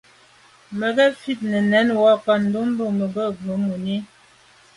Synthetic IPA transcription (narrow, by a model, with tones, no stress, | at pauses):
mə˨ɡə˦fi˦t̚nə˨nɛ˨˦nwa˦ka˦n̩˨do˦m˦bə˦˨mə˨bə˦˨və˨˦mu˨ni˦